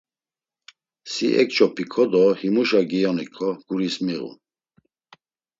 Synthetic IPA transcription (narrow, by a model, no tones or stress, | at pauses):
siʔɛ̰k̚t͡ʃʰʼɔpʰikʰɔd̪ɔhimuʃaɡijɔnikʰɔɡ̥uɾismiɣṵ